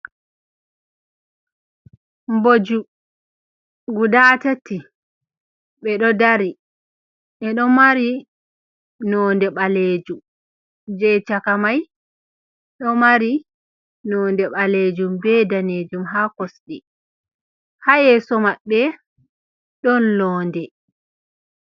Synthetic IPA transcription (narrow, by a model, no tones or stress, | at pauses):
mbod͡ʒu | ɡudaːtatːi | ɓɛɗɔdaɾi | ʔɛɗɔmaɾi | nɔndɛɓaleːd͡ʒum | d͡ʒɛt͡ʃakamaj | ɗɔmaɾi | nɔːndɛɓaled͡ʒumbɛdaned͡ʒumɦakɔsɗɛ | hajɛsɔmaɓːɛ | ɗɔnlɔːndɛ